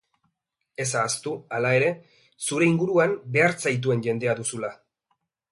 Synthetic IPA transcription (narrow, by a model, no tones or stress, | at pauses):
e̞s̬aːst̪ualae̞ɾe̞ | suɾe̞iŋɡuɾuambe̞aɾt͡sajt̪̬ue̞nʝe̞nd̪e̞aðusula